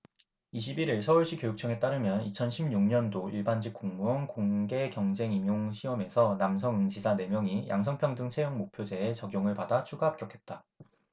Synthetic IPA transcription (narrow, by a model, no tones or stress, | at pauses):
iɕ̬ʰibiɾiɭsʰʌuɭɕ͈ikjojuk̚t͡ɕ͈ʰʌŋe̞t͈aɾɯmjʌnit͡ɕʰʌnɕʰimɲuŋɲʌndoiɭband͡ʑik͈uŋmuʌnkoŋɡe̞kjʌŋd͡ʑe̞ŋimjoŋɕʰiʌme̞sʰʌnams̬ʰʌŋɯŋd͡ʑisʰane̞mjʌŋijʔa̰ŋsʰʌŋpʰjʌŋdɯŋt͡ɕʰejʌŋmopʰjod͡ʑe̞ːt͡ɕʌɡjoŋɯɭpadat͡ɕʰuɡaɦːp̚k͈jʌkʰe̞t̚t͈a